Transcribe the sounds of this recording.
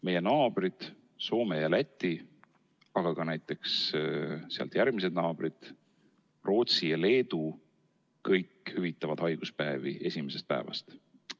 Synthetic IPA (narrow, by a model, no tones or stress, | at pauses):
me̞jenɑːb̥rid̪̥ | so̞ːmejɑlæt̪ʲːˑi | ɑɡ̥ɑɡ̥ɑnæjt̪ːˑe̞ks | seɑ̰lt̪jæɾɡmis̬e̞d̪̚nɑːb̥rid̪̥ | ro̞ːt̪sijɑle̞ːd̪̥u | kɤjkhyvit̪ːˑɑvɑd̪̥hɑjɡ̥uspæevḭesʲime̞se̞st̪̚pæ̰e̞vɑ̰st̪